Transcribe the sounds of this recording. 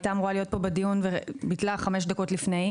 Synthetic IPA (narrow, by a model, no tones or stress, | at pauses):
tamʁoalio̞t̪̚po̞bed̪ijunvebitlaχame̞ʃ̬d̪aɐko̞tlifne̞j